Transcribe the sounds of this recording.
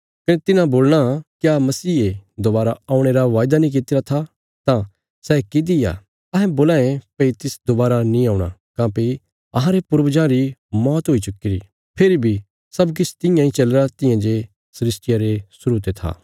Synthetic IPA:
kɐnet̪ɪnãboːlɽ̃akjamɐsiːed̪obaːɾaaːũɽ̃eɾaʋaːjd̪anĩk̬ɪt̪ɪɾat̪ʰa | t̪ã | sɛkid̪ɪja̰ | ɐɦɛ̃boːlãːẽpeit̪ɪsd̪obaːɾanĩaːũɽ̃a̰kãːpi | ɐɦãɾepʊɾbd͡ʒãɾimɔːt̪ɦoːit͡ʃʊkːɪɾḭ | pʰeɾibʱi | sɐbk̬ɪt͡ʃʰt̪ɪ̃jãĩt͡ʃɐlɾat̪ɪ̃jãd͡ʒe | sɐɾɪsʈɪjaɾesʊɾuːt̪et̪ʰa̰ː

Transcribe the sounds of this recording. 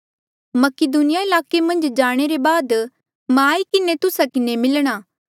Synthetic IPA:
mɐkɪd̪unɪjaɪlaːkemɐ̃nd͡ʒd͡ʒaːɽ̃eɾebaːd̪ | mãːikɪnet̪ʊsakɪnemɪlɽ̃aː

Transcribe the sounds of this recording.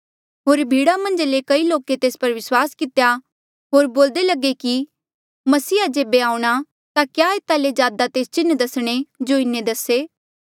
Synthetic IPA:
ɦoːɾbʱiːɽamɐ̃nd͡ʒlekɐiloːket̪eːspɐɾʋɪswaːskɪt̪ja | ɦoːɾboːld̪elɐɡeki | mɐsiːad͡ʒeːbeaːũɽ̃a | t̪akjaːeːt̪aled͡ʒjaːd̪at̪eːst͡ʃɪnːd̪ɐsɽ̃ed͡ʒoɪnːed̪ɐseː

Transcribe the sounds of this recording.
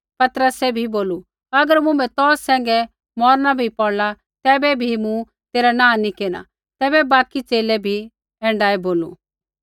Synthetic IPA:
pɐt̪ɾəsɛbʱiboːlu | ɐɡəɾmʊ̃mɛ̃t̪ɔːsːɛ̃ːŋ̆ɡɛ | mɔːɾnabʱipɔɽla | t̪ɛːbɛbʱimũ | t̪eːɾanãːnikeːña̰ | t̪ɛːbɛbaːkit͡ʃt͡seːlɛbʱi | ɛ̃ːɳɖaːeboːlṵ

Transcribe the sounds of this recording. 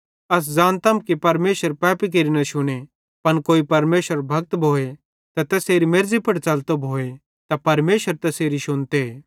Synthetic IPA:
ɐs̬d͡zãːnt̪ɐmkipɐɾmeːʃəɾpɛːpik̬eɾinɐʃʊɽ̃e | pɐnkoːipɐɾmeːʃəɾbʱɐk̚t̪bʱoːe | t̪ɐt̪ɛːseːɾimeɾzipɐɽt͡sɐlt̪obʱoːe | t̪apɐɾmeːʃəɾt̪ɛseːɾiʃʊnt̪eː

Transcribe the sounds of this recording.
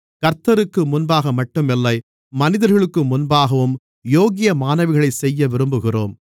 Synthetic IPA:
kɐɾt̪ːɐɾɯkːɯmʊnbaːɣɐmɐʈːɯmɛlːɐɪ | mɐnɪðɐɾɣɐɭɯkːɯmʊnbaːɣɐʋɯm | joːɣɪjɐmaːnɐʋɪɣɐɭɐɪsɛjːɐʋɪɾɯmbɯɣɪroːm

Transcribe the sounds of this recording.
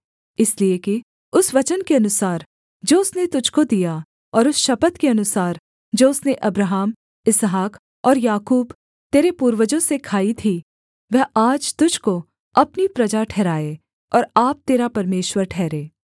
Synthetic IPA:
ɪslieki | ʊsʋɐt͡ʃənkeɐnʊsaːɾ | d͡ʒoːʊsnet̪ʊd͡ʒʱkod̪ija | ɔːɾʊsʃɐpət̪keɐnʊsaːɾ | d͡ʒoːʊsneʔɐbɾaɦəːm | ɪsɦaːk | ɔːɾjaːkuːb | t̪eːɾepuːɾwəd͡ʒõsekʰaːit̪ʰi | ʋɛɦaːd͡ʒt̪ʊd͡ʒʱko | ɐpnipɾɐd͡ʒaʈʰɛːɾaːeː | ɔːɾaːp̚t̪eːɾapɐɾmeːʃwəɾʈʰɛːɾeː

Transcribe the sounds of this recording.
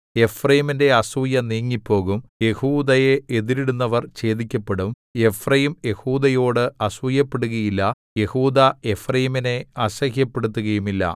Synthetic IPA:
e̞frɐjiminde̞ɐsujɐniːŋːipːo̞ːɣumje̞huːd̪ɐjeːðiɾiɽunːɐʋɐrt͡ɕe̞ːd̪ikʲːɐpːe̞ɽum | je̞frɐjimje̞huːd̪ɐjo̞ːɽɨɐsujɐpːe̞ɽuɣɐjilːɐ | je̞huːd̪ɐe̞frɐjimine̞ɐɕɐhjɐpːe̞ɽut̪̬ːuɣɐjumilːɐ̰

